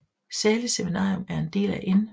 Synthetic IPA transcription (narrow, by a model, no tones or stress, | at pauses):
sæɐliseminɑ̰̈ːomæɐe̝nd̥e̝̰ːlæʔe̝n